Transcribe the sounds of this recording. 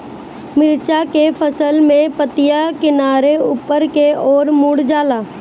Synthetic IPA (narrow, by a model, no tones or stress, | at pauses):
mɪɾt͡ʃakefʰəsəlmẽpət̪ɪjakɪnaːɾeupəɾkeɔːɾmuːɽd͡ʒaːlaː